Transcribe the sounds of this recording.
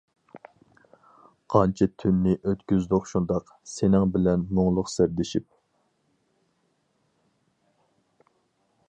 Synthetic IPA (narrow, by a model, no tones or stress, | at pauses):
qʰɑnt͡ʃʰit̪ʰynːɪʔøt̪kʲyzd̪ʊqʃund̪ɑq | senɪŋbɪlɛnmoŋlˠʊqsɪɾd̪ɪʃip̚